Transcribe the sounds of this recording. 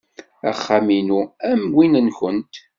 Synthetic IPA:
æ̰χːaminuæmwinənkʷənt̪

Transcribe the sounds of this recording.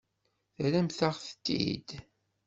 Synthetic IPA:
θɾæmθaʁθə̥t̪ːḭd̪

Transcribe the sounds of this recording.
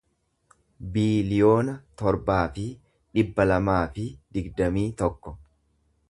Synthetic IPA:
biːlɪjo̞ːnɐt̪ɔɾbaːfɪ | ᶑɪbːɐlɐmaːfɪd̪̥ɪɡd̪ɐmiːt̪ɔkːɔ

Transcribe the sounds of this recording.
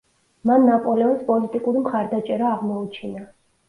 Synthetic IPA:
manːapʼɔlɛɔspʼɔlit̪ʼikʼuɾimχaɾd̪at͡ʃʼɛɾaːʁmɔut͡ʃʰina

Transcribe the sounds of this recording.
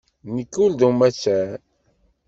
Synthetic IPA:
nikːuld̪umæt͡ʃːæn

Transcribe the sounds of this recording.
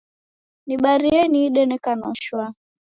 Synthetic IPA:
niɓaɾiɛniːɗɛnɛkanɔ̰ʃwa

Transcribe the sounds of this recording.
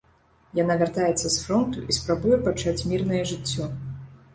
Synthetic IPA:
janavʲart̪ajɛt̪sːɐsfɾɔnt̪uʔispɾabujɛpat͡ʂat͡sʲmʲirnɐjɛʐɨt͡sʲːɔ

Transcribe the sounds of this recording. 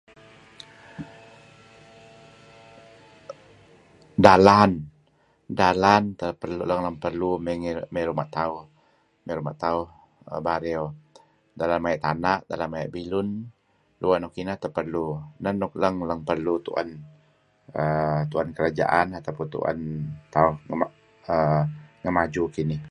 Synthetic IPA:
dalan | dalant̪əpərluləŋləŋpərluməŋmeɾumaʔt̪auh | mɛɾuma̰ʔt̪auh | baɾɛo | dalanmajaʔt̪anaʔda̰lanmajaʔbilʊn | duanɔkinaht̪əpərlunənʊk̚ləŋləŋpərlut̪ṵʔa̰n | ət̪uankəɾad͡ʒa̰ʔanat̪awpunt̪ṵa̰nt̪aʊhŋəmaʔ | əŋəmad͡ʒukinɪh

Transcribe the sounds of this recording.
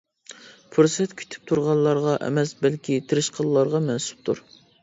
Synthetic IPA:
pʰuɾsɛt̪kʲʰy̥t̪ʰy̥p̚t̪ʰuɾʁɑnlːˠɑɾʁɑʔɛ̰mɛsbɛlkʲit̪ʰɪɾɪʃqʰəlˠlːˠɑɾʁɑmɛnsu̥p̚t̪ʰuɾ

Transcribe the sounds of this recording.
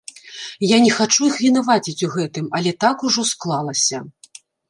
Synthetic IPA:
janʲɛxat͡ʂuixvʲinavat͡sʲit͡sʲuɣɛt̪ɨmɐlʲɛt̪akuʐɔsklˠalˠɐsʲɐ

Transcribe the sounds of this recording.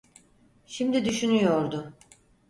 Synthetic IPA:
ʃimd̪id̪yʃynyjo̞ɾd̪ʊ

